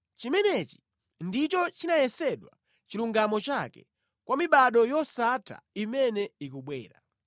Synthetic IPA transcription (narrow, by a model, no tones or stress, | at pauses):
t͡ʃimɛnɛt͡ʃi̥ | ndit͡ʃɔt͡ʃinajɛsɛɗwa̰ | t͡ʃiluŋɡamɔt͡ʃakɛ̰ | kwamiɓaɗɔjɔsatʰa̰imɛnɛikuɓwɛ̰ːɾa̰